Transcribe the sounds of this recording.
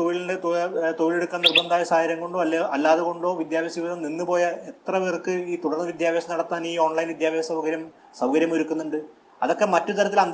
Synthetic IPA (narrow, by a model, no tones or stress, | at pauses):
oʋilɖeot̪oʋile̞ɽukːaːnnirbɐnd̪aːjɐsaːjɐɾjɐŋko̞ɳɖoːɐlːaːðuɣo̞ɳɖo̞ːʋid̪jaːbjɐsiʋiðɐmninːɨpo̞ːjɐet̪rɐʋirkːɨiːt̪uɽɐrnɐʋid̪jaːbjeːsɐnɐɽɐt̪ːaːniːo̞ːɳlɐjnʋid̪jaːbɐɐsɐwkɐɾjɐm | sɐwkɐɾjɐmoɾukːunːuɳɖɨ | ɐðokːe̞mɐtːut̪ɐɾɐt̪ːilɐnd̪